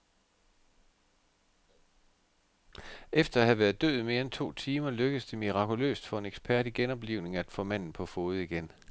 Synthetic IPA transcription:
efd̥ɐæhæʋæɐð̩ˠd̥ø̰ð̩ˠme̝ːɐent͡sʰo̝̰ːt͡sʰiːmɐløɡ̥əsd̥emiʁɑ̈kʰulø̰ːsd̥fɒ̽e̝neɡ̥spʰæɐɾ̥iɡ̥enɒ̽b̥liʊ̰ne̝ŋæd̥fɔ̰̽ːmæn̰n̩pʰɒ̽foːð̞̩ˠiɡ̥en

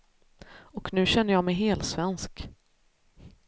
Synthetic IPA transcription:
ɔknʉ̟ːɕɛnːəɾjɑmɛjɦeːlsvɛnsk

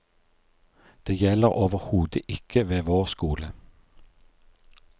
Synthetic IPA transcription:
d̪̥eːjɛləʁʔoːʋəʁhuːd̪əʔɪkʰəʋeːʋoːʁskuːlə

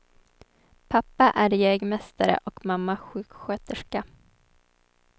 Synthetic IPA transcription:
pʰapːaʔæɾjɛːɡmɛst̪aɾə̰ʔɔkmamːaɧʉ̟ːkɧøːt̪əʂka

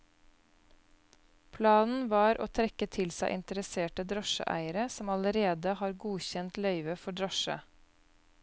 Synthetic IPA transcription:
pʰlɑːnn̩ʋɑːɾʔo̰ːt̪ʰɾɛkət̪ʰɪlsæɪʔɪnt̪əɾəseːʈəd̪ɾɔʃə̰ʔæ̰ɪəɾəsɔmɑləɾeːd̪əhɑːɾɡuːçɛnt̪lœʏʋəfɔɖɾɑʃə̰

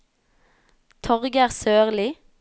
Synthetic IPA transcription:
t̪ʰɔʁɡəæːʁsøːʁlɪ

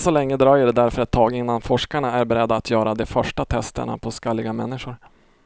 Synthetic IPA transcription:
sɔlɛŋːəd̪ɾɑːjəɖɛd̪æɾfœɾɛt̪ʰːɑːɡɪnːanfɔʂkaɳaæɾbɛɾɛd̪ːaːt̪ʰjœːɾad̪ɛfœʂʈat̪ʰɛst̪ə̰ɳa̰pʰɔskalːɪɡamɛnːɪʂʊɾ

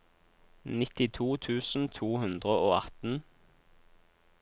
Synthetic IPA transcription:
nɪt̪ɪt̪ʰuːt̪ʰʉːsn̩t̪ʰuːhʉnd̪ʁəoːɑt̪n̩

